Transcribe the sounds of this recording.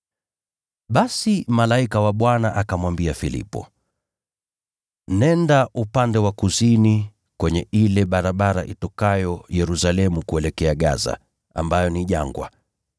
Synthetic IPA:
ɓasimalaikawaɓwanaʔakamwambiafilḭpɔ̰ | nɛndaʔupandɛwakuzini | kwɛɲɛʔilɛɓaɾaɓaɾaʔitɔkajɔjɛɾusalɛmukuɛlɛkɛaɠa̰za̰ | a̰mbajɔniʄa̰ŋɡwa̰

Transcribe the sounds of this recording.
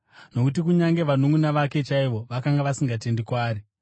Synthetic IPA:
no̞kutik̬uɲaŋɡe̞ʋanumunaʋake̞t͡ʃaiʋo̞ʋakaŋɡaʋasiŋɡate̞ndikwaːɾi

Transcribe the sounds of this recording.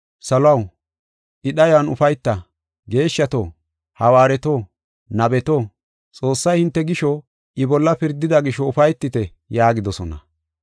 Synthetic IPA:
sɐlʊɐw | ʔɪɗɐjwɐnʊfɐjt̪ːɐ | ɡe̞ːʃːɐt̪oː | hɐwaːɾɛt̪oː | nɐbɛt̪oː | t͡sʼo̞ːsːɐjhɪnt̪ːɛɡɪʃɔ | ʔɪbɔlːɐpɪɾd̪ɪd̪ɐɡɪʃɔʊfɐjt̪ːɪt̪ɛ | jaːɡɪd̪ɔsɔnɐ̰

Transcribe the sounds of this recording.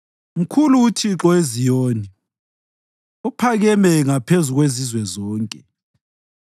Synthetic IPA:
m̩kʰuluːtʰiǁɔezijoːni | upʰaɣɛmɛŋapʰezuɣwezizwɛzɔːŋkʼɛ

